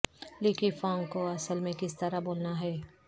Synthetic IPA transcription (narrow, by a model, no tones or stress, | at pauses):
liːkifãːŋkoɐsəlmẽkɪst̪ɐɾaboːlnaɦɛː